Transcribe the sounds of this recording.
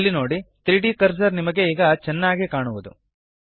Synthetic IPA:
lːino̞ːɽit̪ɾiːɖiːkɐɾsɐɾnimɐɡe̞iːɡɐt͡ʃɛnːaːɡikaːɳuʋud̪ṵ

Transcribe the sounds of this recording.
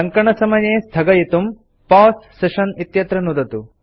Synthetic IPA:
ɐŋkɐɳɐsɐmɐjeːst̪ʰɐɡɐjit̪um | paːsːeʃɐnit̪jɐt̪ɾɐnud̪ɐt̪u

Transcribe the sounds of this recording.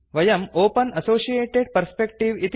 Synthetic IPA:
ʋɐjɐmoːpɐnɐsoːsieːʈeɖ̚pɐɾspekʈiʋit̪

